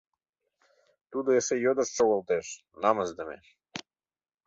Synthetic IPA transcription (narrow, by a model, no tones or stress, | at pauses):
t̪ud̪oesejod̪əʃʃoɣəlt̪eʃ | nɑməzd̪əmḛ